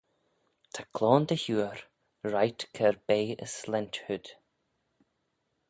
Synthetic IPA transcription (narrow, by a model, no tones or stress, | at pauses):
t̪ʰakʰlɔːnd̪əhuːəɹ | ɹajt̪kʰɛɹbeːə̰slɛnt̪hʊd̪̥